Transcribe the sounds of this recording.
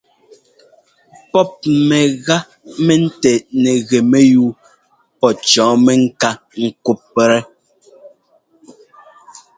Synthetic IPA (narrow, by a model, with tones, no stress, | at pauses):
pɔ˦p̚mɛ˨ɣa˦ | mɛ˦n̩˦tɛ˨nɛ˨ɣɛ˨mɛ˦juː˦ | pɔ˦t͡ʃɔ̃ː˨˦mɛ˦ŋ̩˦ka˦ | ŋ̩˦˨ku˦pːɛ˨ɾɛ˦